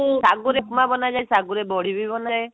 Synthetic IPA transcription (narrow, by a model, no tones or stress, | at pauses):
saɡuɾekmabɔnad͡ʒajsaɡuɾebɔɽ̤ibibɔnaj